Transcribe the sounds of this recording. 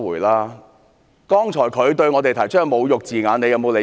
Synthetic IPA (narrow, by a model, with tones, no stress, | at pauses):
wuː˨˩jlaː˥ | kɔː˥ŋt͡ʃʰɔː˨˩jkʰɵ˨˧ɥt̪ɵ˧ɥŋɔː˧t̪e˨jt̪ʰɐ˨˩jt͡ʃʰŋmo˨˧wjʊ˨k̚t͡siː˨ŋaː˨˧ne˨˧jɐ˨˧wmo˨˧wle˨˧